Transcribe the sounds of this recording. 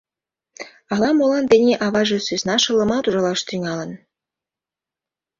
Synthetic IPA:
ɑlɑmolɑnd̪enʲeʔɑβɑʒesysnɑʃɤ̆lə̆mɑt̪uʒɑlɑʃt̪yŋɑlə̆n

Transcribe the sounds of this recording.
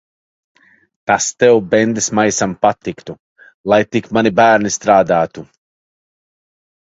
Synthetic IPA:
t̪ast̪ɛwbɛnd̪ismajsampat̪ːikt̪u | lˠajt̪ikmanibæːɾnist̪ɾaːd̪aːt̪u

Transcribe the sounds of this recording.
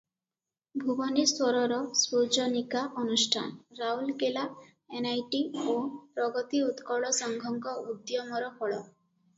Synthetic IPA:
bʱubɔniswɔɾɔɾɔswod͡ʒɔnikaʔɔnusʈʰa̰nɾaulkela | enajʈiopɾɔɡɔt̪iut̪kɔɭɔsɔŋɡʱɔŋkɔud̪jɔmɔɾɔkɔɭɔ̰

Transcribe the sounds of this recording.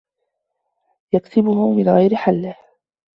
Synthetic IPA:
jaksɪbʊhʊmɪnɣajɾɪħalːɪh

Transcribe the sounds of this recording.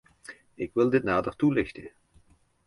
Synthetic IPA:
ɪkʋɪlˠdɪtnaːdərtulɪxtə

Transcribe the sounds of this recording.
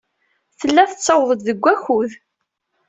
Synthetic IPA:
θəlːæθət͡sːɑwðˤəd̪ðəɡʷːæçuð

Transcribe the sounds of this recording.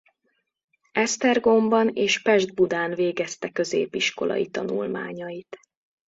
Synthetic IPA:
ɛst̪ɛrɡo̞mbɒneːʃpɛʒd̪̚bud̪aːnveːɡɛst̪ɛkø̞zeːpiʃko̞lʔɒ̰jit̪ɒnṵlma̰ːɲɒjit̪

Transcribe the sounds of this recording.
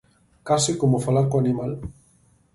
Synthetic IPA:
kasikomofalaɾkoanimal

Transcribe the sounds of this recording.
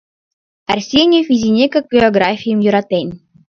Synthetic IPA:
ærʲsʲinʲefʲizʲinʲekʲɘ̆ɡʲeoɡrafʲijə̆mjuɾɑt̪enʲ

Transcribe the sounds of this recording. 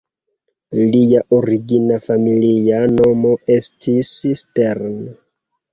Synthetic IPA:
lijaʔoɾiɡinafamiliano̞mo̞e̞stʰissteɾn

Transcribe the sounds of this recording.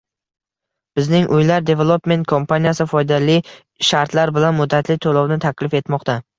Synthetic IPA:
b̥ɪznɪŋʔʊjlaɾd̪e̞velˠopme̞nt̪̚kʰompʰanijasɪfɒjd̪alɪ | ʃaɾt̪ʰlaɾbɪlanmʊd̪ːat̪ʰlɪt̪ʰolˠɒwnɪt̪ʰakʲlɪfe̞t̪mɒqt̪ʰa

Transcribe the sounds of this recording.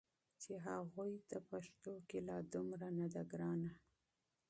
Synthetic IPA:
t͡ʃeɦaɣujd̪əpaʃt̪okelɑd̪ʊmɾanad̪aɡɾɑna

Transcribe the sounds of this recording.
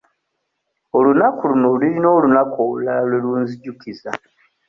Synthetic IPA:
olunakulunoliɾino̞ːlunakoβulalalwe̞luːnziɟukiza

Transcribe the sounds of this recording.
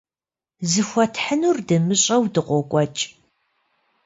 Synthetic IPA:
zɨxʷɔtʰħənurdɨmɨɕʼɐwdɨqʷɔkʷʼɔt͡ʃʼ

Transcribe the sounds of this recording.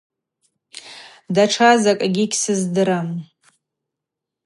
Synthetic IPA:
daʈ͡ʂʰazakʼaɡʲikʲsɨzdɨɾam

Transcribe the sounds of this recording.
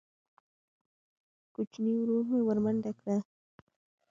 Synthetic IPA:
kʊt͡ʃniwɾuːχmɪwaɾmant̪akɾaː

